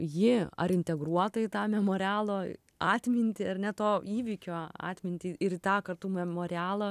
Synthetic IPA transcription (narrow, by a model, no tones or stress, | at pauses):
jɪɐ̰ɾɪnʲt̪ʲɛɡɾuɔt̪ɐɪt̪ɑːmʲɛmoːɾʲæːlˠoː | ɑːt̪ʲmʲɪnʲt̪ʲɪɐrnʲɛt̪oːiːʋʲɪkʲoːɑ̰ːt̪ʲmʲɪnʲt̪ʲɪɪɾt̪ɑːkɐrt̪uːmʲɛmoːɾʲɪæːlˠɐ